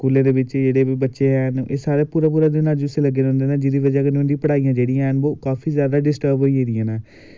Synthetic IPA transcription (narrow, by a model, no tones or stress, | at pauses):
skuːlãːd̪eːbɪt͡ʃd͡ʒeːɽeːiːbətːʃeːɦɛːneːsaːɾeːpuːɾãːp̬uːɾãːd̪ɪnãːd͡ʒuseːləɡːeːɾɦʊ̃nd̪eːnãːd͡ʒɪd̪iːʋəd͡ʒaːkənʊ̃nd̪ĩːpəɽaːijãːd͡ʒeːɽɪjãnoːkaːfʰiːzjaːd̪aːɖɪsʈəɾbɦoːiːɦeːd̪ɪjãːnaː